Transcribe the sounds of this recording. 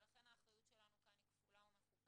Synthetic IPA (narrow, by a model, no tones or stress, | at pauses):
laχe̞nhaːχʁajut̪ʃelanukanikfulaumeχub